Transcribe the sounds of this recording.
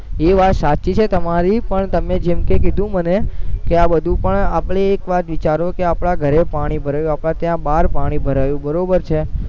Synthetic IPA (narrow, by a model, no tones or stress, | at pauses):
eʋat̪sat͡ʃːit͡ʃʰet̪əmaɾipəɳt̪əmed͡ʒemkek̬id̪ʱũmənekeabəd̪ʱũpəɳapɽeːkʋat̪ʋit͡ʃaɾokeapɽaɡʱəɾepaɽ̃ibʱəɾajũapɭat̪jãbaɾpaɽ̃ibʱəɾajũbəɾobəɾt͡ʃʰe